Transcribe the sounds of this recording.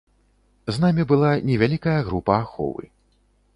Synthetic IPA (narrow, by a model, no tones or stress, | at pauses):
znamʲibɨlˠanʲɛvʲalʲikɐjɐɣɾupɐːxɔ̰vɨ̰